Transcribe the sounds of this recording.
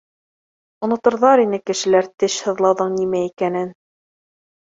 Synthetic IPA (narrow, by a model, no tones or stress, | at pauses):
ŏnŏt̪ɤ̆ɾðɑɾinɘkɘ̆ʃɘ̆læɾt̪ɘʃhɤ̆ðlˠɑwðɤɴnimæikænɘn